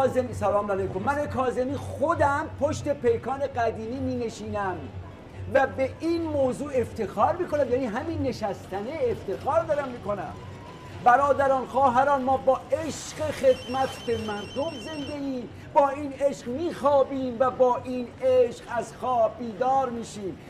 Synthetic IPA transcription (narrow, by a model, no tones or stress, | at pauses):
zemiːsælɒːmnælejkomːænekʰɒːzemiːxod̪æmpʰoʃt̪e̞pʰe̞jkʰɒːne̞ɡæd̪iːniːmiːne̞ʃiːnæm | væbe̞ʔinmoːzuːe̞ft̪ʰe̞xɒːɾmiːko̞næmjæːniːɦæmiːnːe̞ʃæst̪ʰæneeft̪e̞xɒːɾd̪ɒːɾæmːiːko̞næ̰m | bæɾɒːd̪æɾɒːnxɒːɦæɾɒːnmɒːbɒːʔe̞ʃɢexe̞d̪mæt̪ʰbe̞mæɾd̪o̞mze̞nd̪e̞iːm | bɒːiːne̞ʃqmiːxɒːbiːmvæbɒːʔiːneʃqæzxɒːbiːd̪ɒːɾmiːʃiːm